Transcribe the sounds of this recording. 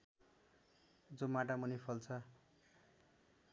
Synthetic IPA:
d͡zomaʈ̬amunipʰʌlt͡sʰʌ

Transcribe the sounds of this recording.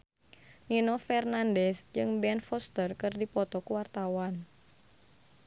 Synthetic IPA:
ninɔfɛrnandɛsd͡ʒɨŋbɛnfɔst̪ərkɨrdipɔt̪ɔkuwart̪awan

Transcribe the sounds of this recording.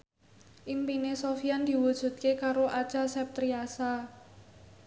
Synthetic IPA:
ʔimpinesofiand̪̥i̤wud̥ʒ̥ṳt̪̚kekaɾoʔḁt͡ʃasɛp̚t̪ɾiasa

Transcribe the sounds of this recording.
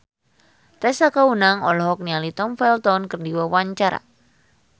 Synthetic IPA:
t̪ɛsakaunaŋɔlɔɦɔk̚nialit̪ɔmfɛlt̪ɔnkərdiwəwaɲt͡ʃaɾa̰

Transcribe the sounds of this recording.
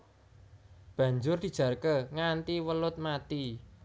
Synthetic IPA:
b̥ä̤ɲd͡ʒʊrd̪̥i̤d̥ʒ̥ä̤rkəŋant̪iwəlʊt̪̚mat̪i

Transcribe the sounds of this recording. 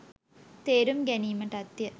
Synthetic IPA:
t̪eːɾumɡæniːməʈɐt̪ːjə

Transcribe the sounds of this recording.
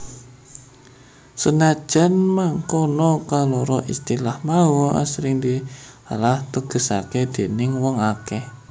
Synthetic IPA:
sənad̥ʒ̥a̤nmaŋkɔnɔkalɔɾɔʔist̪ilahmawɔʔa̰sɾɪŋd̪ia̰laht̪əɡ̥ə̤sa̰ked̪̥e̤nɪŋwɔŋakɛ

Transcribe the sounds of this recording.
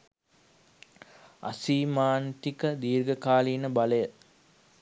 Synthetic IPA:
ɐ̰siːmaːnt̪ikəd̪iːɾɡəkaːlinəbɐləjə

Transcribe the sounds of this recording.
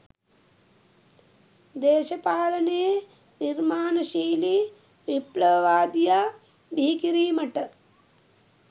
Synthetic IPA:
d̪eːʃɐpaːlɐnej | niɾmaːnɐʃiːli | ʋiplɐʋɐʋaːd̪ija | biɦikiɾiːmɐʈɐ

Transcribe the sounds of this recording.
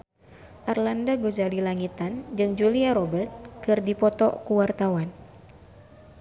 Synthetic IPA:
ʔarlandaɡozalilaŋit̪and͡ʒɨŋd͡ʒuliaɾɔbərt̪̚kɨrdipɔt̪ɔkuwart̪awan

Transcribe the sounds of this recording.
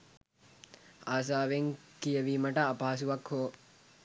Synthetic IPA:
aːs̬aːʋeŋkijəʋimɐʈɐːpaːs̬uʋakhoː

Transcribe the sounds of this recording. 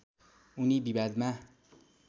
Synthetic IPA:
unibibad̪ma

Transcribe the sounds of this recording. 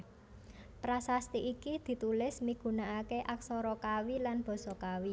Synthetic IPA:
pɾasast̪iʔikid̪̥i̤t̪ulɪsmiɡ̥ṳnaʔakeʔaksɔɾɔkawilanb̥ɔ̤sɔkawi

